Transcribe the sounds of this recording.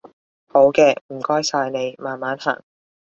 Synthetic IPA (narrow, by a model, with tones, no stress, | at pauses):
ho˨˥wkɛː˧m̩˨˩kɔː˥jsaː˧jne˨˧jmaː˨nmaː˨˥nha̰ː˨˩ŋ